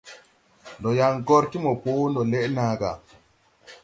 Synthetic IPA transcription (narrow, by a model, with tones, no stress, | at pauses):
ndɔ˨ja˨ŋɡo˦ɾti˦mɔ˨po˦wndɔ˨le˦ʔna˨ɡa̰˨